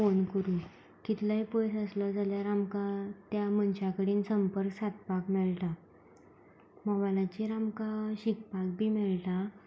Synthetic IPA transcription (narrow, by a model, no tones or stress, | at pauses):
onkəɾuː | kit̪laipojsəsləd͡zaljaɾamkat̪jam̤ənt͡ɕakəɽiːnsəmpəɾksat̪̚pakmɛɭʈa | məʋalat͡ɕiɾamkaɕik̚pak̚bʱiːmɛɭʈa